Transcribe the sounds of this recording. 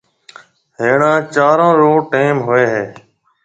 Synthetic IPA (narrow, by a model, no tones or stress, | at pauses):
ɦeːɳãːt͡ʃaːɾõːɾoːʈeːmɦʊeːɦeː